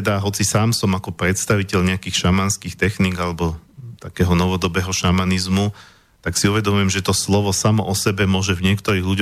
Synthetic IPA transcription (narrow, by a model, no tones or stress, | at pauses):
ɛd̪aɦɔt͡sisaːmsɔmakɔpɾɛt̪st̪aʋicɛʎɲɛakiːxʃamanskiːxt̪ɛxniːɡalɛbɔt̪akɛːɦɔnɔʋɔd̪ɔbɛːɦɔʃamanizmu | t̪aksiuʋɛd̪ɔmujɛmʒɛt̪ɔslɔʋɔsamɔʔɔsɛbɛmʊɔʒɛvɲɪɛkt̪ɔɾiːɣʎuɟ